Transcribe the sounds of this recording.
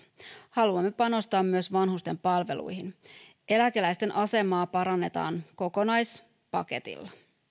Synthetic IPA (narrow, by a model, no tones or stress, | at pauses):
hɑluɑmːepɑno̞st̪ɑːmːyøsʋɑnɦust̪e̞mpɑlʋe̞̰lṵjhin | e̞læke̞læjst̪e̞nʔɑse̞mɑːpɑɾɑnːe̞t̪ɑ̰ːnko̞ko̞nɑjs | pɑke̞t̪ḭlːɑ